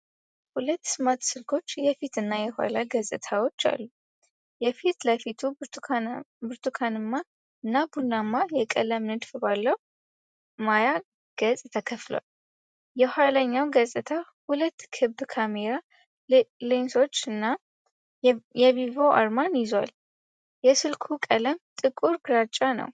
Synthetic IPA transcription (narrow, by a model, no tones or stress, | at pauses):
hulət̪ːsɨmat̪sɨlkʰo̞t͡ʃːjɛfit̪ɨnːajɛhʷa̰laɡəsʼɨt̪ʰawo̞t͡ʃːa̰lːu | jɛfit̪ləfit̪ʰu | bɨɾt̪ʰukʰanɨmːa | ɨnːabunːamːajɛkʼələmnɨd̪fbalːəw | maja | ɡ̥əsʼt̪ʰəkʰəflo̰wa̰l | jɛhaləɲːawɡəsʼɨt̪ʰahulət̪ːkʰɨbbkʰameɾa | lenso̞t͡ʃːɨnːa | jɛβivo̞ʔa̰ɾmanjɪzwa̰l | jɛsɨlkʰukʼələmt̪ʼɨkʼuɾɡɾat͡ʃʼːanə̰w